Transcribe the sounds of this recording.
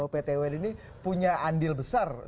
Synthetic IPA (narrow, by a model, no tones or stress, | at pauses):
opet̪ewɛnini | puɲaʔandɪlbəsar